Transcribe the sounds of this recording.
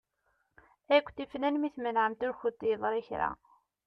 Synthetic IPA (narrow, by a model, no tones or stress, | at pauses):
ækʷːθifnænmiθmənʕəmt̪ʊɾxʊt̪ːiðˤɾˤiçɾæ̰